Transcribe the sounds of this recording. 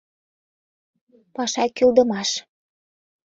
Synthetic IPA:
pɑʃɑkyld̪ə̆mɑʃ

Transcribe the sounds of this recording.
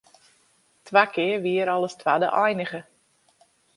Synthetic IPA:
tʰʋakɪːərʋiəɾɔləstʰwadə̰ʔɔjnəɣə

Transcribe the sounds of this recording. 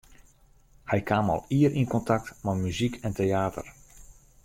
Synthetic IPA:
hɛjkaːmɔ̰lˠiəɾʔinkɔntak̚tmamyzikʰɛnteaːtə̰r

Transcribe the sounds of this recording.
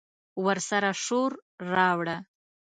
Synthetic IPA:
wəɾsaɾaʂoɾɾɑwɽa

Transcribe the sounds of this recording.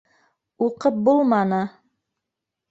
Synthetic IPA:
uqɤp̚bulˠmɑnɤ

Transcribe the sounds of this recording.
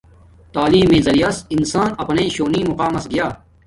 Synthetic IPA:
t̪aːliːmẽːzɐɾijasɪnsaːnɐpnẽːʃoːniːmʊqaːmɐsɡɪjaː

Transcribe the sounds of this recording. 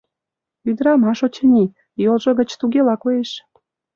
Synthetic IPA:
yd̪ɾɑmɑʃot͡ɕə̆nʲi | jolʒɤ̆ɣə̆t͡ɕt̪uɣelɑkojeʃ

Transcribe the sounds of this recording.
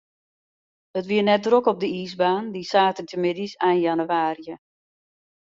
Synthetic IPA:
ətʋiːənɛt̚drokɔp̚dəisbaːndisaːtəntəmɪdisaːnjanuʋaːrjə

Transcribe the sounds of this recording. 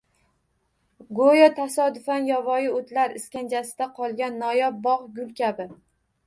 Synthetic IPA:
ɡojɒt̪ʰasɒd̪ʊfanjɒvɒjɪot̪ʰlaɾɪskʲand͡ʒasɪd̪aqʰɒlˠɡʲanːɒjɒp̚bɒʁɡʲʊlˠkʲʰabɪ

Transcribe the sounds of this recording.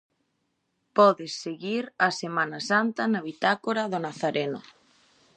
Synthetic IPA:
pɔðɪsːeɣiɾɐsemanɐsant̪ɐnɐβit̪akoɾaðʊnaθaɾʔenʊ

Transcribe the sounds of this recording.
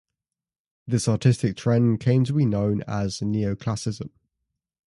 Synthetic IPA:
ðɪsɑˑtʰɪstɪk̚tʰɹ̥ɛ̃nkʰẽɪ̃mtʰəbinə̃ʊ̃nə̰zniəʊkʰl̥asɪzə̃m

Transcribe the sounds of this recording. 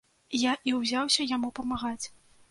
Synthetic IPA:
jaʔiwzʲawsʲɐjamupɐmaɣat͡sʲ

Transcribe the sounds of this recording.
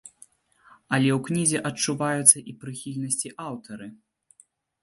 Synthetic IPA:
ɐlʲɛwknʲizʲɛʔɐt͡ʂuvajut̪sːɐʔipɾɨxʲilʲnɐsʲt͡sʲiʔawt̪ɐɾɨ

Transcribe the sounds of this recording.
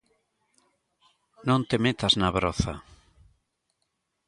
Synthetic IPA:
nõnt̪emet̪aznaβɾoθa̰

